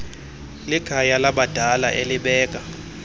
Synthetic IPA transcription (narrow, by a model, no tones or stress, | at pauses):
liɡ̥ʱajalaɓad̥ʱalaʔeliɓɛːkʼa